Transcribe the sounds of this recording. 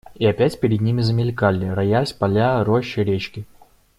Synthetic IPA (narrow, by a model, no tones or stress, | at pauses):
iɐpʲætʲpʲɪɾʲɪd̪̚nʲimʲɪzəmʲɪlʲkalʲɪɾɐjasʲpɐlʲaɾoɕːɪɾʲet͡ɕkʲɪ